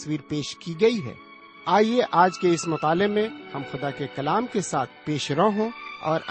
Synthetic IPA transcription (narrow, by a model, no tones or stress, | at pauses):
swiːɾpeːʃkiɡɐiɦɛ̰ː | aːieʔaːd͡ʒkeɪsmʊt̪aːlɪqmẽhɐmxʊd̪akekɐlaːmkesaːt̪ʰpeːʃɾɐɦõɔ̰ːɾ